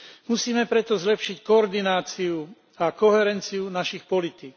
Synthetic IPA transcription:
musiːmɛpɾɛt̪ɔzlɛpʃickɔːɾd̪inaːt͡siu | akɔɦɛɾɛnt͡siunaʃixpɔlit̪iːk

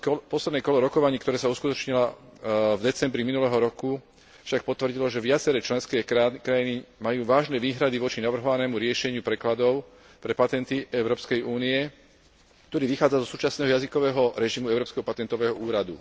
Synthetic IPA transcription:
pɔslɛd̪nɛkɔlɔɾɔkɔʋaɲiːkt̪ɔɾɛːsauskut̪ɔt͡ʃɲila | vd̪ɛt͡sɛmbɾiminulɛɦɔɾɔku | fʃak̚pɔt̪ʋr̩ɟilɔʒɛʋɪat͡sɛɾɛːt͡ʃlɛnskɛːkɾajinimajuːʋaːʒnɛːʋiːɦɾad̪iʋɔt͡ʃinaʋr̩ɦɔʋanɛːmuɾɪɛʃɛɲɪupɾɛklad̪ɔʊ | pɾɛpat̪ɛnt̪iɛʊɾɔːpskɛjuːniɛ | k̚t̪ɔɾiːʋixaːd͡zazɔsuːt͡ʃasnɛːɦɔjazikɔʋɛːɦɔɾɛʒimuɛʊɾɔːpskɛɦɔpat̪ɛnt̪ɔʋɛːɦɔuːɾad̪ṵ

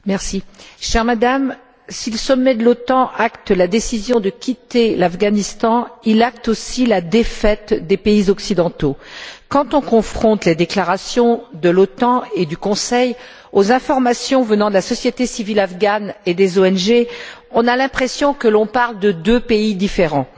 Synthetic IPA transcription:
mɛʁsiʃɛʁmad̪am | siləsɔmːɛd̪əlɔt̪ɑ̃ʔakt̪lad̪esizjɔ̃d̪əkʲʰit̪elafɡanist̪ɑ̃ilak̚t̪osilad̪efɛt̪d̪epeizɔksid̪ɑ̃t̪okɑ̃t̪ɔ̃kɔ̃fχɔ̃t̪led̪eklaʁasjɔ̃d̪əlɔt̪ɑ̃ed̪ykɔ̃sɛj | ozɛ̃fɔʁmasjɔ̃vənɑ̃d̪əlasɔsjet̪esivilafɡaned̪ezoɛnʒe | ɔ̃nalɛ̃pχesjɔ̃kəlɔ̃paʁld̪əd̪øpeid̪ifeʁɑ̃

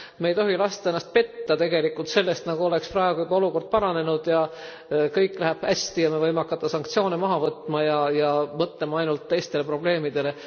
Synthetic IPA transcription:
mejt̪o̞ɦilɑst̪ɑenːɑst̪̚pe̞t̪ːɑt̪e̞ɡe̞likːˑult̪se̞lːe̞st̪nɑɡ̥uo̞le̞ksprɑeɡ̥uybɑo̞luko̞rd̪̥̚pɑɾɑne̞nud̪̥jɑ | kɤjkːˑlæɦæb̥hæsʲt̪ijɑmevɤjmeɑkːˑɑt̪ːˑɑsɑŋk̚t̪sio̞ːnemɑɦɑvɤt̪ːˑmɑjɑjɑmɤt̪lemɑɑjnult̪ːe̞jst̪e̞lepro̞b̥le̞ːmid̪̥e̞le̞

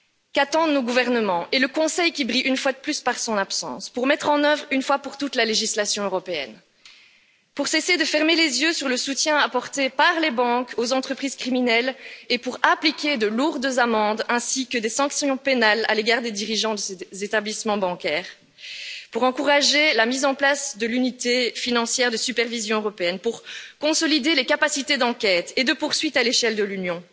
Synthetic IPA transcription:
kat̪ɑ̃noɡuvɛʁnəmɑ̃ʔeləkɔ̃sɛjkʲibʁiʔynfwad̪əplyspaʁsɔ̃napsɑ̰̃spuʁmɛt̪χɑ̃nœvʁynfwapuʁt̪ut̪laleʒislasjɔ̃øʁɔpeɛ̰n | puʁsesed̪əfɛʁmelezjøsyʁləsut̪jɛ̃apɔʁt̪epaʁlebɑ̃kozɑ̃t̪χəpχiz̥kχiminɛlepuʁaplikʲed̪əluʁd̪zamɑ̃d̪ɛ̃sikəd̪esɑ̃ksjɔ̃penala̰leɡaːʁd̪ed̪iʁiʒɑ̃d̪əsezet̪ablismɑ̃bɑ̃kʲɛːʁ | puʁɑ̃kuʁaʒelamizɑ̃plasd̪əlynit̪efinɑ̃sjɛʁd̪əsypɛʁvizjɔ̃øʁɔpeɛnpuʁkɔ̃sɔlid̪elekapasit̪ed̪ɑ̃kʲɛt̪ed̪əpuʁsɥit̪aleʃɛld̪əlynjɔ̃

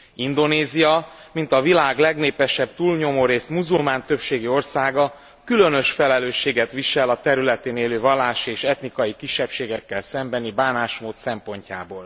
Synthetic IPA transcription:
ind̪o̞neːzijɒmint̪ɒvilaːɡlɛɡneːpɛʃɛb̚t̪uːlɲo̞moːɾeːst̪muzulmaːnt̪ø̞pʃeːɡio̞rsaːɡɒ | kylø̞nø̞ʃfɛlɛløːʃːeːɡɛt̪ʋiʃɛlɒt̪ɛɾylɛt̪eːneːløːvɒlːaːʃieːʃɛt̪nikɒjikiʃːɛpʃeːɡɛkːɛlsɛmbɛnibaːnaːʃmoːt̪sɛmpo̞ɲca̰ːboːl

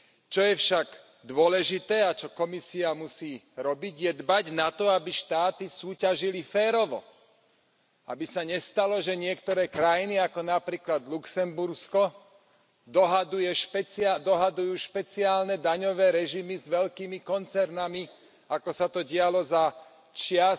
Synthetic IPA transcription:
t͡ʃɔjɛfʃaɡ | d̪ʊɔlɛʒit̪ɛːat͡ʃɔkɔmisiamusiː | ɾɔbiɟjɛd̪baɟnat̪ɔabiʃt̪aːt̪isuːcaʒilifɛːɾɔʋɔ̰ | abisaɲɛst̪alɔʒɛɲɪɛkt̪ɔɾɛːkɾajiniakɔnapɾiːklad̪luksɛmbuɾskɔ | d̪ɔɦad̪ujɛʃpɛt͡sad̪ɔɦad̪ujuːʃpɛt͡siaːlnɛd̪aɲɔʋɛːɾɛʒimizʋɛʎkiːmikɔnt͡sɛɾnami | akɔsat̪ɔɟɪalɔza | t͡ʃɪa

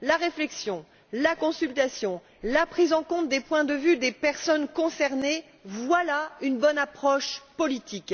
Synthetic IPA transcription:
laʁeflɛksjɔ̃ | lakɔ̃sylt̪asjɔ̃ | lapχizɑ̃kɔ̃t̪̚d̪epwɛ̃d̪əvyd̪epɛʁsɔnkɔ̃sɛʁne | vwalaynbɔnapχɔʃpɔlit̪ik

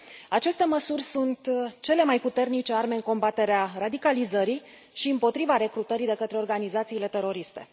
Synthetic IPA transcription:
at͡ʃe̞st̪e̞məsurʲsunt̪t͡ʃe̞le̞majput̪e̞rnit͡ʃe̞arme̞ɨŋko̞mbat̪e̞ɾearad̪ikalizəɾi | ʃiɨmpo̞t̪ɾivaɾe̞kɾut̪əɾid̪e̞kət̪ɾe̞o̞rɡanizat̪siːle̞t̪e̞ɾo̞ɾist̪e̞̰

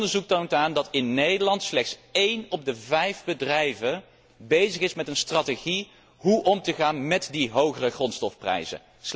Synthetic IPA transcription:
dəɹzuk̚towntaːndɑtɪnːejdəɹlɑntslɛχtsejnɔb̚dəvɛjvbədrɛjvə | bejzəχɪsmɛtənstrɑteχi | ɦuʔɔmtəχaːnmɛtdiɦowχərəχrɔnstɔfprɛ̰jzə̰n | s

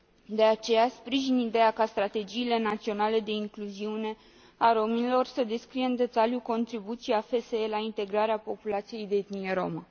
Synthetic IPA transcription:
d̪e̞at͡ʃe̞jaspɾiʒinid̪e̞jakast̪ɾat̪e̞d͡ʒiːle̞nat̪sio̞nale̞d̪e̞iŋkluziune̞ | aɾo̞minilo̞rsəd̪e̞skɾijeɨnd̪e̞t̪aljuko̞nt̪ɾibut̪sijafe̞seelaint̪e̞ɡɾaɾeapo̞pulat̪sije̞jd̪eet̪nije̞ɾo̞̰mə

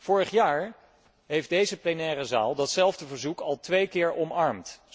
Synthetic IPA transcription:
fʊːɹəχjaːɹ | ɦejfdejzəplenɛːɾəza̰ːlˠdɑtsɛlˠvdəvəɹzukɑlˠtʋejkɪːɹʔɔmɑɹmt

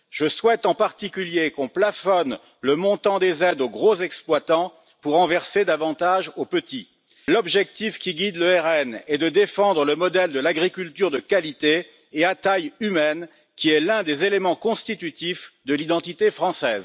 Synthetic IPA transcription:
ʒ̥əswɛt̪ɑ̃paʁt̪ikʲyljekɔ̃plafɔn | ləmɔ̃t̪ɑ̃d̪ezɛd̪oɡʁozɛksplwat̪ɑ̃ | puʁːɑ̃vɛʁsed̪avɑ̃t̪aʒopət̪i | lɔbʒɛk̚t̪ifkʲiɡʲid̪ləɛʁɛnɛd̪əd̪efɑ̃d̪ʁələmɔd̪ɛld̪əlaɡʁikʲylt̪yʁd̪əkalit̪eː | at̪ajymɛn | kʲiɛlɛ̃d̪ezelemɑ̃kɔ̃st̪it̪yt̪ifd̪əlid̪ɑ̃t̪it̪efχɑ̃sɛːz

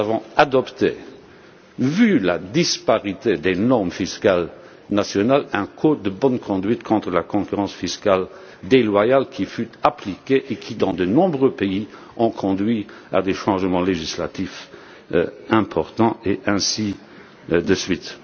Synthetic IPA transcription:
avɔ̃ad̪ɔpt̪e | vylad̪ispaʁit̪ed̪enɔʁmfiskal | nasjɔnalɛ̃kʰod̪əbɔnkʰɔ̃d̪ɥit̪kʰɔ̃t̪χəlakɔ̃kyʁɑ̃sfiskal | d̪elwajalkʰʲifyt̪aplikeʔekʰid̪ɑ̃d̪ənɔ̃bʁøpei | ɔ̃kʰɔ̃d̪ɥia̰d̪eʃɑ̃ʒmɑ̃leʒisla̰t̪if | ɛ̃pʰɔʁt̪ɑ̃eʔɛ̃si | d̪əsɥit̪

